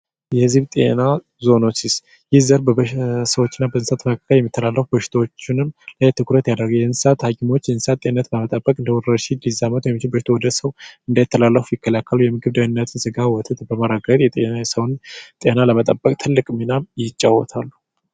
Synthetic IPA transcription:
jɛhɨzɨβt̪ʼḛna | zo̞no̞t͡ʃːɪs | jɪhzəɾbəbəsəwot͡ʃːɪnːabəɨnsat̪məkʰːḁkʰːəljɛmːit̪ʰːəlalːəfubəʃɪ̥t̪ʰəwot͡ʃːɪnɨmləjt̪ʰɨkʰɾət̪jad̪əɾɡjɛɨnsat̪hakʰʼimot͡ʃːjɛnsat̪ːʼenːət̪ləmət̪ʼəbːəkʼɨnd̪əwuɾəʃind̪izamət̪wjmːit͡ʃɪlbəʃi̥t̪ʰowɔd̪əsəwɨnd̪əjɛt̪ːəlalːəfujɪkʰːəlakːəlujɛmɨɡɨβd̪anːət̪ʰɨnsɨɡawɔt̪ʰɨt̪bəməɾaɡət̪jɛt̪ʼenasəwnt̪ʼenaləmət̪ʼəbːəkʼt̪ʰɨlːɨkʼminamjɪt͡ʃʼːawːɔ̰t̪ʰalːu̥

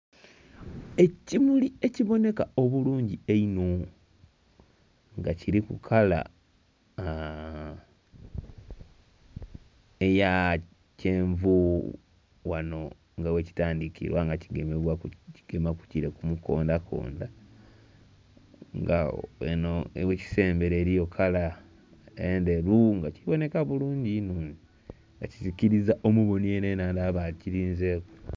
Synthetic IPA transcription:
e̞cimulie̞ciβo̞ne̞kao̞βuluːɲɟieino | ŋɡaciɾikukʰala̰ | eja | ce̞ːɱvu | wano̞ | ŋɡaweci̥taːndikḭɾwaŋɡaciɡemeβwaciɡ̥e̞maku̥ciɾekumuko̞̰ːndakʰo̞̰ːnda | ŋɡaenoeweci̥se̞ːmbe̞ɾeːɾijo̞kʰala | ende̞ɾuŋɡaciβo̞ne̞kaβuluːɲɟinuːɲi | ŋɡacizikiɾizaʔomuβo̞nienenaːndaβaciɾiːnzeːko

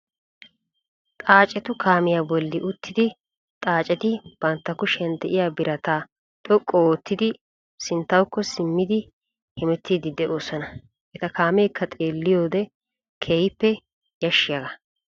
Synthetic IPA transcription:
t̪ʼaːt͡ʃʼɛt̪ʊkʰaːmɪjaːbɔlːɪʔʊt̪ːɪd̪ɪ | t̪ʼaːt͡ʃʼɛt̪ɪb̥ɐnt̪ːɐkːʊʃɛnt̪ːɛʔɪjaːbɪɾɐt̪aː | t̪ʼɔkʼːoɔt̪ːɪd̪ɪ | sɪnt̪ːɐwkːɔsɪmːɪd̪ɪ | hɛmɛt̪ːid̪ɪd̪ɛʔoːsɔnɐ | ʔɛt̪ɐkaːmeːkʰːɐt̪ʼeːlːɪjoːd̪ɛ | kʰejɪpːɛ | jɐʃːɪjɐɡɐ

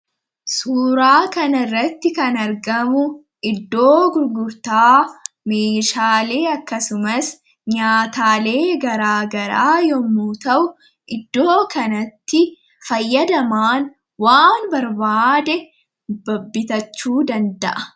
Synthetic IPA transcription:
suːɾaːkɐnɐrːɐt̪ːɪkɐnɐɾɡɐmʊ | ʔɪd̪ːo̞ːɡʊɾɡʊɾt̪aː | meːʃaːle̞ːɐkːɐsʊmɐs | ɲaːt̪aːle̞ːɡɐɾaːɡɐɾa̰ːjɔmːuːt̪ɐʔʊ | ʔɪd̪ːo̞ːkɐnɐt̪ːɪ | fɐjːɐd̪ɐmaːn | waːnbɐɾbaːd̪ɛ | bɐbːɪt̪ɐt͡ʃːuːd̪ɐnd̪ɐʔɐ

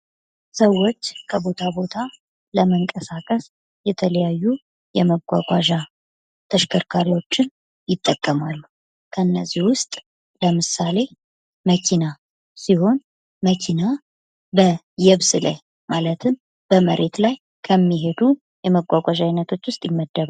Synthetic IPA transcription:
səwːo̞t͡ʃːkʰəbo̞t̪ʰabo̞t̪ʰa | ləməŋkʼəsakʼəs | jɛt̪ʰələjajːu | jɛməɡʷa̰ɡʷʼaʒa | t̪ʰəʃkʰəɾkʰaɾiwo̞t͡ʃːɪn | jɪt̪ʼːəkʼːəmalːu | kʰənːəzːihwʊst̪ʼ | ləmɨsale̞ | məkʰina | siho̞n | məkʰina | bə | jɛβsɨlə̰j | malət̪ʰɨm | b̥əməɾʔe̞t̪laj | kʰəmːiɦed̪u | jɛməɡʷakʷʼaʒajnːət̪ʰo̞t͡ʃːwʊst̪ʼjɪmːəd̪ːəβ

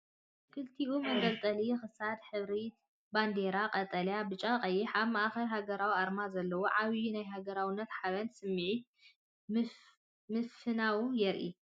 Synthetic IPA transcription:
kʰɨlt̪ʰiʔumɐɡɐlt̪ʼɐlixɨsad̪ħɨβɾi | band̪eɾaqʼɐt̪ʼɐljabɨt͡ʃʼaqʼɐjːɛħaβmaʔaxɐlɦaɡɐɾawiaɾmazɐlːɐwoʕaβiunajɦaɡɐɾawɪnːɐt̪ħaβɐnsɨmːiʕi | mɨfɨnawujɛɾʔḭ

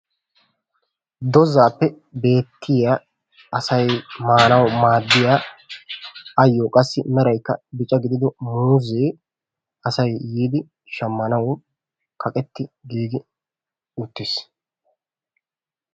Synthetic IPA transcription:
d̪ɔzaːpːɛ | be̞ːt̪ʰːɪja | ɐsɐjmaːnɐwmaːd̪ːɪjaː | ɐjːoːkʼɐsːɪmɛɾɐjkːɐbɪt͡ʃʼɐɡɪd̪ɪd̪ɔmuːzeː | ɐsɐjːiːd̪ɪ | ʃɐmːɐnɐw | kʰɐkʼɛt̪ːɪɡiːɡɪ | ʊt̪ːɪs

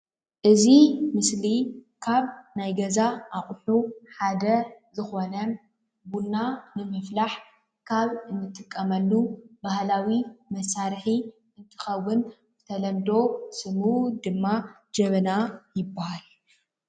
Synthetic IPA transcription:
ʔɨzimɨslikʰaβnajɡɐzaʔaxʼħuħad̪ɐzɨxo̞nɐ | bunːanɨmɨflaħ | kʰaβɨnːɨt̪ʼɨkʼːɐmɐlːubahlawimɐsaɾħi | ʔɨnt̪ʰɨ̥xɐwʊn | zɨt̪ʰɐlɐmd̪o̞sɨmud̪ɨmːa | d͡ʒɐβɐnajɪbːahal

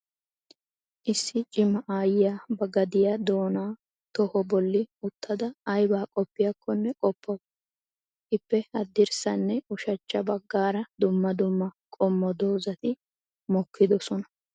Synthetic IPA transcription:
ʔɪsːɪt͡ʃʼɪmːɐʔaːjɪjaːbɐɡɐd̪ɪjad̪o̞ːnaː | t̪ɔhɔbɔlːɪʊt̪ːɐd̪ɐːjbaːkʼɔpːɪjɐkʰːɔnːɛkʼɔpʰːɔ | ɪpːɛhɐd̪ːɪɾsɐnːɛʊʃɐt͡ʃːɐbɐɡːaːɾɐd̪ʊmːɐd̪ʊmːɐkʼɔmːɔd̪oːzɐt̪ɪ | mɔkʰːɪd̪ɔsɔnɐ

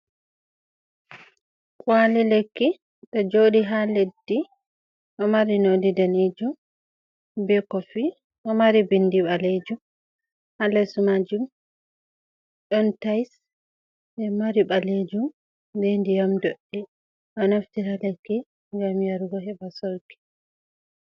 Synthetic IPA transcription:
kʼwalilekːi | ɗɔd͡ʒoɗiɦaledːi | ʔɔmaɾinodidaned͡ʒum | bɛkɔfi | ʔɔmaɾibindiɓaled͡ʒum | halɛsumad͡ʒum | ɗɔntajs | ɛmaɾiɓaled͡ʒum | dɛndijamdɔɗːɛ | ʔɔnaftiɾalekːi | ŋɡamjaɾɡɔɦɛbasɔɾki̥

